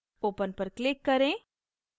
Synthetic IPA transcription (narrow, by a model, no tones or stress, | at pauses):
oːpənpəɾklɪkːɐɾẽ